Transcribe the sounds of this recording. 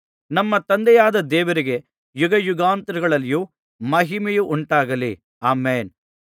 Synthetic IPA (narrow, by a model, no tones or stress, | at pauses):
nɐmːɐt̪ɐnd̪ɛjaːd̪ɐd̪ɛːʋɐɾiɡe̞ | juɡɐjuɡaːnt̪ɾuɡɐɭɐlːiju | mɐɦimɛjuʔuɳʈaːɡɐli | aːmeːn